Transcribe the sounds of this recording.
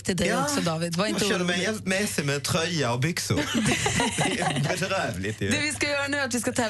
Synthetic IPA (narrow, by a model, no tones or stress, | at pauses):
t̪ʰɪd̪ɛɔsɔd̪ɑːʋɪd̪ʋɑɾɪnʃɛnːəmɛɪheːlt̪mɛːsɪmɛt̪ʰɾœʏəɔbʏksʊ̰d̪ɛ | bɛt̪ɾæːʋlɪt̪ʰɪd̪ɛʋɪskɑjøːɾənʉːɾɑt̪ʋɪskɑt̪ʰɛ